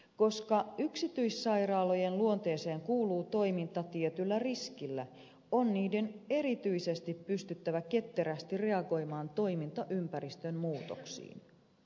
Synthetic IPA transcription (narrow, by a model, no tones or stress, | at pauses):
ko̞skɑyksit̪yisːɑjrɑːlo̞jenluont̪e̞ːse̞ːŋkuːluːt̪o̞imint̪ɑt̪iet̪ylːæriskilːæ | onːiːde̞ne̞ɾit̪yise̞st̪ippyst̪yt̪ːæʋæke̞t̪ːeɾæst̪ire̞ɑɡo̞jmɑːnt̪o̞imint̪ɑʔympæɾist̪ømmuːt̪o̰ksḭːn